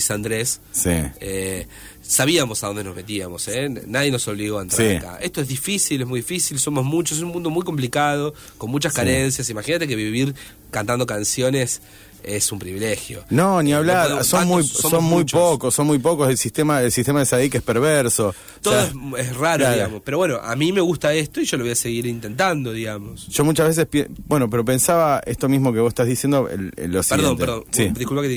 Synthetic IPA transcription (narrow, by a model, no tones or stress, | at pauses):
sand̪ɾessḭeː | aβiamo̞saðo̞nd̪enozmet̪iamo̞senaðje̞no̞so̞βliɣoaent̪ɾaiɾka̰est̪oeɦðifisilezmujðifisilso̞mo̞zmut͡ʃoses̬umũnd̪o̞mujko̞mp̬likað̞o̞ | ko̞nmut͡ʃaskaɾensjasimaxinat̪e̞k̬eβiβiɾ | kant̪and̪o̞kansjo̞ne̞s | esumpɾiβilexjo̞̰noniaβlaɾsomujssonmujpokosːonmujpokozðelsist̪emaelsist̪emaðesaðikespeɾβeɾso̞ | oðoesesraɾolaɾiamospeɾowe̞noʔa̰mime̞ɣust̪aest̪oiʒo̞loojaseɣiɾint̪e̞nt̪and̪o̞ðiɣamosʒ̥o̞mut͡ʃazβes̬espjebwenop̬eɾo̞pe̞nsaβaest̪o̞mizmok̬eβosest̪azðisjend̪oḛl̰losieɾðonpteɾðosiðikulpake